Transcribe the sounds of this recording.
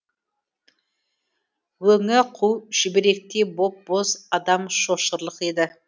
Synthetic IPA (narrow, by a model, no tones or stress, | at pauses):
wɵŋɪqʰuwʒ̥ɪbɪɾe̞k̚t̪e̞bo̞p̚bo̞zɑd̪ɑmʃo̞ʃəɾlˠəqe̞d̪ɪ